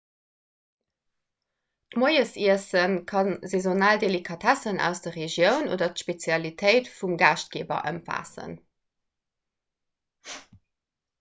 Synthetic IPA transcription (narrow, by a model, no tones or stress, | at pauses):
tmoɪəsiəsənkʰɑnzezonaːldelikʰɑtʰæsənʔæ̰ʊsd̥ɐʁeʒjəʊno̰ːdɐtʃpet͡sjɑlitʰəɪtfumɡaːʃt̚ɡ̥eːbɐ̰ʔə̰mfa̰ːsə̰n